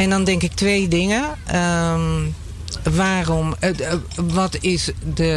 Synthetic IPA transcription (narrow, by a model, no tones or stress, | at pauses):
ɛndɔndɛŋkɪk̚tʋejdɪŋəəm | ʋaːrɔm | ʋɔtɪsdə